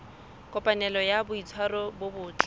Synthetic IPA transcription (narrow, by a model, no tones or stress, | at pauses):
kʼɔpʼanɛlɔjabʊit͡sʰwarɔbʊbʊːt͡ɬʼi̥